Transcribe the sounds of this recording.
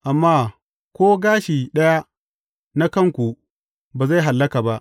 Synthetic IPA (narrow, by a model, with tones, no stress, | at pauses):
ʔa˨mːaː˦ | kʷoː˦ɡaː˦ʃiː˨ɗɐ˦ja˦ | na˦kɐ˦˨ŋkʷu˨ | baː˨za˦˨ɦa˨lːɐ˦ka˨ba˦ʔ